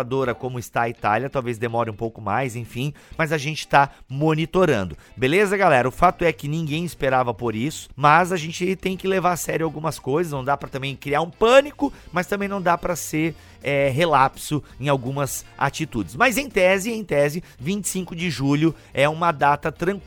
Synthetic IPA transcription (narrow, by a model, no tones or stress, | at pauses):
ad̪oɾɐkõmʊɪst̪ait̪a̰ljɐt̪awvezd̪emɔɾɪ̃ũpowkʊma̰jzẽj̃fĩmɐzaʒẽnt͡ʃɪ̥t̪amonit̪oɾɐ̃nd̪ʊbelezɐɡalɛɾɐʊfat̪ʊɛkɪnĩŋɡẽj̃ɪspeɾavɐpoɾisʊ̥mɐzaʒẽnt͡ʃɪt̪ẽj̃kɪlevaɾsɛɾjʊawɡũmɐskojzɐsnɐ̃w̃d̪apɾɐt̪ɐ̃mbẽj̃kɾiaɾũpɐ̃nikʊmɐst̪ɐ̃bẽj̃nɐ̃w̃d̪apɾɐseɾ | ɛɦelapsʊẽj̃awɡũmɐza̰t͡ʃit̪ud͡ʒɪsmɐzẽj̃t̪ɛzɪẽj̃t̪ɛzɪvĩnt͡ʃɪ̥sĩŋkʊd͡ʒɪʒuʎʊ | ɛũmɐd̪at̪ɐt̪ɾɐ̃k